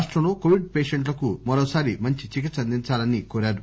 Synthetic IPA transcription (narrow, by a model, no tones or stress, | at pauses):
ʂʈɾɐmloːkoːʋiɖ̚peːʂeɳʈ̬lɐkumɐɾoːsaːɾimɐɲt͡ʃit͡ʃik̬it̪sɐnd̪iɲt͡ʃaːlɐnikoːɾaːɾu